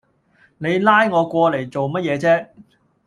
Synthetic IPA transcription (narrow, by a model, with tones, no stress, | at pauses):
ne˨˧jlaː˥jŋɔː˨˧kʷɔː˧le˨˩jt͡so˨wmɐ˥t̚jɛː˨˧t͡sɛː˥